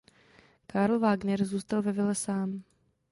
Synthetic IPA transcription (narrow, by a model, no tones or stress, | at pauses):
kaːɾl̩vaːɡnɛɾzuːst̪alvɛvɪlɛsaːm